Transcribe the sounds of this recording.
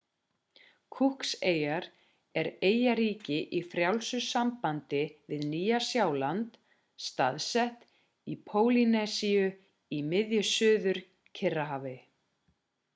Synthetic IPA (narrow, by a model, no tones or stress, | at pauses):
kʰuhkseːjaɾ | ɛɾeːjaɾiːcɪʔifɾjawlsʏsampant̪ɪvɪðniːjasjawlant̪ | st̪a̰ðsɛht̪ | ipʰoːwlinɛsiʏ | imɪðjʏsʏːðʏɾ̥ | cʰɪrːaɦaːvɪ